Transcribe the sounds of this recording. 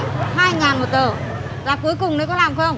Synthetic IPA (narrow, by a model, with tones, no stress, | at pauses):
haː˧jŋaː˨˩nmo˨˩t̚zəː˨˩ | zaː˨˩ku˨˦əjkʊ˨˩ŋ͡mɗə˨˦kɔ˨˦laː˨˩mxə˧wŋ͡m